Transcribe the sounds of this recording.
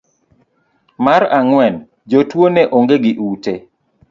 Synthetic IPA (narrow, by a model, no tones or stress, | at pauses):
maɾaŋwɛn | d͡ʒotwonɛʔoŋɡeɡɪʔute